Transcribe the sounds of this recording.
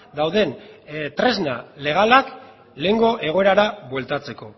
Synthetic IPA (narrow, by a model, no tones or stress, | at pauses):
d̪awðe̞nt̪ɾe̞znale̞ɣ̞alak | le̞ŋɡo̞ʔe̞ɣ̞o̞e̞ɾaɾaβwe̞lt̪at͡se̞ko̞